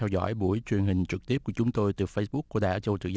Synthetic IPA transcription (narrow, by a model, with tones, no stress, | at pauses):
ɛ˧wzɔ̰˧˥jɓu˧˩əjt͡ɕwi˨˩ənhï˨˩ŋ̟t͡ɕɨ˨˩k̚t̪i˦˥əp̚ku˧˩ət͡ɕʊ˨˦ŋ͡mt̪o˧jt̪ɨː˨˩fə˧jɓʊ˦˥kːu˧˩əɗaː˧˥t͡ɕə˧wt̪ɨ̰˧˨˩z